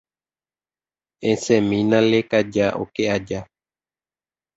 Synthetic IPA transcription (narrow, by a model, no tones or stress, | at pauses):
ẽsẽmĩnãlekad͡ʒaʔo̰kead͡ʒa